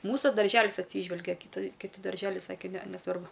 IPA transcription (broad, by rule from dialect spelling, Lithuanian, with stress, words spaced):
ˈmuːsʊ dɐrʲˈʒʲæːlʲɪs ɐtʲˈsʲiːʒʲʋʲɛlʲɡʲɛ kʲɪˈtɐɪ kʲɪˈtʲɪ dɐrʲˈʒʲæːlʲɛɪ ˈsɑːkʲeː ˈnʲɛ nʲɛˈsʋɐrbʊ